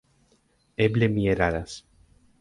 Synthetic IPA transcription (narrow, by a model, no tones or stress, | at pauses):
eblemieɾaɾas